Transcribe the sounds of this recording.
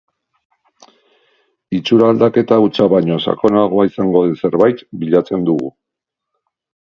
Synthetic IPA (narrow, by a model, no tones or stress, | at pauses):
it͡ʃuɾaːld̪ake̞t̪aut͡saβaɲo̞sa̰ko̞naɣ̞o̞aisaŋɡo̞ðese̞ɾβajt̪biʎat͡se̞nd̪uɣu